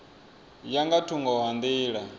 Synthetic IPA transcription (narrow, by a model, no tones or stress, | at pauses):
jaŋɡatʰuŋɡɔɦand̪iːɺa